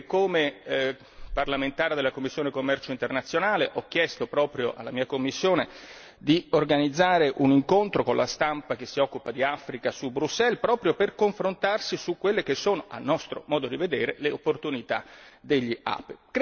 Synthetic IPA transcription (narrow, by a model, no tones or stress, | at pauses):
kːome | parlament̪aːɾed̪elːakomːisːjoːnekomːɛrt͡ʃoint̪ernat̪sːjonaːleʔɔk̟ːjɛst̪opɾɔːpɾjoʔa̰lːamiːakomːisːjoːne | d̪iorɡanid̪zːaːɾeʔuniŋkont̪ɾokonlʔast̪ampak̟esːiɔkːupad̪iafɾikasubɾusːɛlpɾɔːpɾjoperkoɱfɾont̪arsisukːwelːek̟esːoːnoʔa̰lnɔst̪ɾo̰mɔːd̪od̪ived̪eːɾeleopːort̪unit̪a̰d̪eʎːia̰ːpek